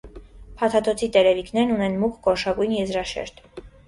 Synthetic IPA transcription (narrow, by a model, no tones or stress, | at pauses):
pʰɑt̪ʰɑt̪ʰɔt͡sʰit̪ɛɾɛviknɛɾnunɛnmukʰkɔɾʃɑkujnjɛzɾɑʃɛ̰ɾt̪